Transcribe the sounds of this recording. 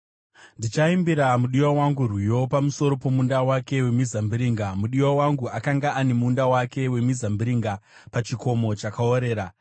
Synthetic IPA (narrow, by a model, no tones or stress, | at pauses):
ndit͡ʃaimbiɾamuɗiwawaŋɡurwijo̞pamuso̞ɾo̞po̞mundawake̞we̞mizambiɾiːŋɡamuɗiwawaŋɡuakaŋɡaane̞muːndawake̞we̞mizambiɾiŋɡa | pat͡ʃiko̞mo̞t͡ʃakaoɾe̞ːɾa